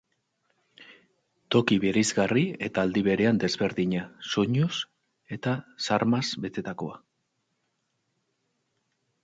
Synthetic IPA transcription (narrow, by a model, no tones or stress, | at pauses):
t̪o̞kiβeɾizɣarie̞t̪aːld̪iβe̞ɾe̞and̪e̞zβe̞ɾðiɲasoɲus | e̞t̪asaɾmazbe̞t̪e̞t̪ako̞a